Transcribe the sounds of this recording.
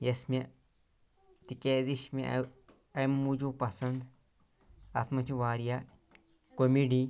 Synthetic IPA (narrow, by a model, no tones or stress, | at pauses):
jɐsme | t̪ikeːziʃmḭ | ɐmːud͡ʒuːpɐsɐnd̪ | ɐt̪ʰmɐt͡ʃʰiʋaːɾija | komiɖi